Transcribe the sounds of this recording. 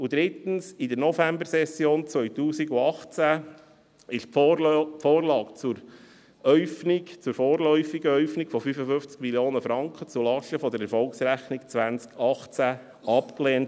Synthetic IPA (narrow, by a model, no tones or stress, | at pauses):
ud̪ɾɪt̪ən̩sidəɾnɔfæmbəɾsɛsjoːnt͡sʋœʏtuːsiɡuɑχt͡sæ | ɪʃ | foːɾlɑːkt͡suɾ | œʏfnit͡suɾfoːɾlœʏfiɡəœʏfniɡ̥fɔfyfəfʏft͡skmiljoːnəfɾɑŋkχət͡sulɑʃəfɔd̪əɾɛɾfɔlksɾæχnikt͡sʋænt͡skʰɑχt͡sæ | ɑpkleːnt